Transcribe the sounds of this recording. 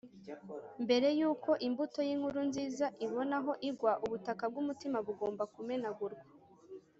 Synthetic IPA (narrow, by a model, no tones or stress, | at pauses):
mbe̞ɾe̞juːko̞ʔimbuto̞jiːŋ̥huɾunziːzaʔiβo̞naɦo̞ʔiɡwaʔuβutakab̚ɡumutimaβuɡo̞ːmbakume̞naɡuɾɡwa